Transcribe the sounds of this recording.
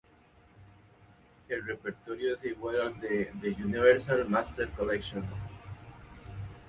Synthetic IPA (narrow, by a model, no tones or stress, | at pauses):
erepeɾt̪oɾjosiɣwalãnd̪ed̪ejuniβeɾsalmast̪eɾkolekʃõn